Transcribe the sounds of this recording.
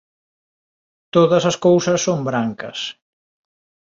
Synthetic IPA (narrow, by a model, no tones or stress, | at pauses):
t̪oðɐsɐskowsɐsːombɾaŋkɐ̰s